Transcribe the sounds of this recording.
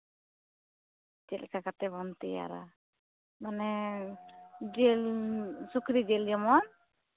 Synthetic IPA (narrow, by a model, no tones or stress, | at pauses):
d͡ʒɛlkakat̪ɛbɔnt̪ɛja̰ɾa̰ | manɛ | d͡ʒɛlsukɾid͡ʒɛld͡ʒɔmɔn